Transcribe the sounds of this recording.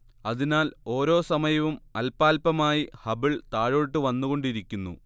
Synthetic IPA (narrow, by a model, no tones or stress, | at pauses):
ɐðinaːlo̞ːɾo̞ːsɐmɐjɐʋumɐlpaːlpɐmaːjihɐbiɭt̪aːɻoːɻʈːɨʋɐnːuɣo̞ɳɖiɾikʲːunːṵ